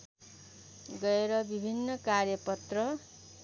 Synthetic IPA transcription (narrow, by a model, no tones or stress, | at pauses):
ɡʌeɾʌbibʱinːʌkarjʌpʌt̪rʌ